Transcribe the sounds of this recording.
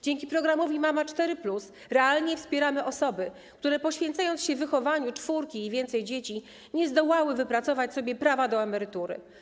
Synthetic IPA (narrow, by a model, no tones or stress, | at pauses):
d͡ʑeŋkʲipɾɔɡɾamɔvʲimamat͡ʂt̪ɛɾɘplus | ɾɛalɲɛfspʲjɛɾamɘʔɔsɔbɘ | k̚t̪uɾɛpɔɕfʲjɛnt̪sajɔnt̪sɕɛvvɘxɔvaɲut͡ʂfuɾkʲiːvʲjɛnt̪sɛjd͡ʑet͡ɕi | ɲɛzd̪ɔwawɘvɘpɾat̪sɔvat͡ɕsɔbʲjɛpɾavad̪ɔɛmɛɾɘt̪uɾɘ̰